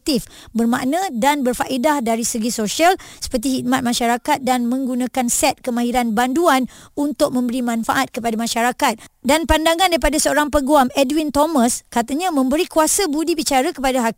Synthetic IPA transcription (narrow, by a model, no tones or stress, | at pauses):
t̪if | bərmaʔnə̃danbərfaʔidahdaɾisəɡisoʃalsə̥pərt̪̬iɦit̪̚mat̪̚mãʃaɾakat̪̚danmə̃ŋɡunãkansɛt̪̚kəmãɦiɾanbanduanunt̪ʊk̚mə̃mbəɾimãnfaʔat̪̚kəpadamãʃaɾakat̪̚danpandaŋãndaɾipadasəoɾaŋpəɡuamɛdwint̪omə̃skat̪əɲãmə̃mbəɾikuasəbudibit͡ʃaɾəkəpadaɦa